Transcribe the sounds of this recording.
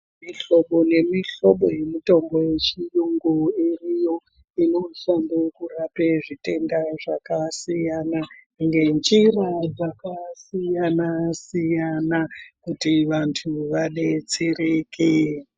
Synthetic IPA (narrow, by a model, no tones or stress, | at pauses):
miɬo̞ɓone̞miɬo̞ɓoje̞mito̞mbo̞je̞t͡ʃijuŋɡoerijo̞ | ino̞ɬambekurapeʐite̞ndaʐakasijana | ŋɡe̞nd͡ʒirad͡zakasijanasijanakutiʋantʰuʋaɗe̞t͡sirekʰe